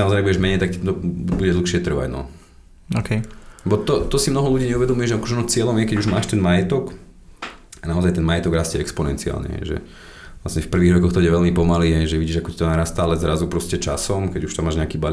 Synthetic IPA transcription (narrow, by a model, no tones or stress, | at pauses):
amɔzajabuɟɛʒmɛɲɛjt̪aktit̪ɔbbuɟɛd̪l̩ˠxʃɪɛt̪r̩ʋa̰ɟnɔ̰ | okɛɛbɔt̪ɔt̪ɔsimnɔɦɔluɟiːɲɛuʋɛd̪ɔmujɛʒɛakɔʒɛɔnɔt͡sɪɛlɔmjɛkɛɟuʒmaːʃt̪ɛnmajɛt̪ɔk | anaɔzajt̪ɛnmajɛt̪ɔɡɾascɛɛkspɔnɛ̰nt͡sia̰ːlɲɛ̰ɦɛ̰ɪʒɛ̰ | lasɲɛfpr̩ʋiːɣɾɔkɔxt̪ɔbuɟɛʋɛlmipɔmaliːɦɛjʒɛʋiɟiːʒakɔcit̪ɔnaɾaːst̪aalɛzɾazupɾɔscɛt͡ʃasɔmkɛɟuʃt̪amːaːʒɲɛakiːbal